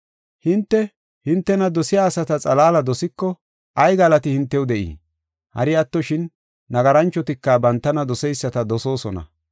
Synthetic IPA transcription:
hɪnt̪ːɛ | hɪnt̪ːɛnɐd̪ɔsɪjaːsɐt̪ɐt͡sʼɐlaːlɐd̪ɔsɪkːɔ | ʔɐjɡɐlɐt̪ɪhɪnt̪ːɛwʊd̪ɛʔḭː | hɐ̰ɾɪɐt̪ːɔʃɪnː | ɐɡɐɾɐnt͡ʃːɔt̪ɪkːɐbɐnt̪ːɐnɐd̪ɔsɛjsːɐt̪ɐd̪ɔso̞ːsɔnɐ̰

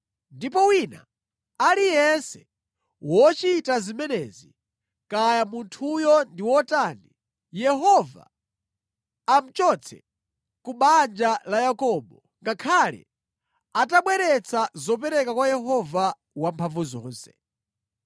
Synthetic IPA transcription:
ndipɔwina̰ | alijɛnsɛ | wɔt͡ʃitazimɛnɛzi | kajamuntʰujɔndiwɔtaːni | jɛɦɔva̰ | m̩t͡ʃɔt͡sʰɛ̰ | kuɓand͡ʒalajakɔːɓɔ | ŋɡakʰalɛ̰ | ataɓwɛɾɛt͡sʰazɔp̬ɛɾɛkakwajɛɦɔva | wampʰaɱvuzɔ̰ːnsɛ

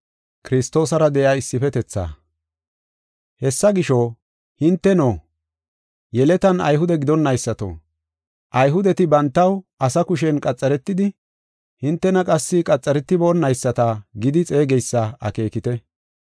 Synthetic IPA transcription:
kɪɾɪst̪o̞ːsɐɾɐd̪ɛjaːɪsːɪfɛt̪ɛt͡sːa̰ː | hɛsːɐɡɪʃo | hɪnt̪ːɛnoː | jɛlɛt̪ɐnɐ̰jɦʊd̪ɛɡɪd̪ɔnːɐjsːɐt̪o̰ː | ʔɐjɦʊd̪ɛt̪ɪbɐnt̪ːɐwʔɐsɐkʊʃ̬ɛnkʼɐt͡sʼːɐɾɛt̪ːɪd̪ɪ | hɪnt̪ːɛnɐkʼɐsːɪkʼɐt͡sʼːɐɾɛt̪ːɪboːnːɐjsːɐt̪ɐɡɪd̪ɪt͡sʼe̞ːɡɛjsːɐɐ̰ke̞ːkɪt̪ɛ

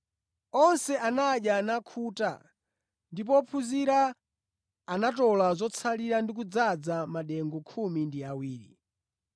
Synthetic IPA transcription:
ɔnsɛanaɗjanakʰuta̰ | ndip̬ɔpʰuziɾaː | natɔlazɔt͡sʰaliɾandik̬ud͡zad͡zamaɗɛŋɡɔkʰumindiawiːɾḭ

